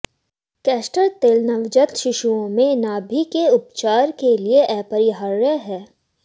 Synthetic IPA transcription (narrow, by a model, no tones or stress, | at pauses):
kɛːsʈəɾt̪eːlnəʋd͡ʒət̪ʃɪʃuõmẽnaːbʱikeʊpt͡ʃaːɾkelieʔɛːpəɾiɦaːɾːəɦɛː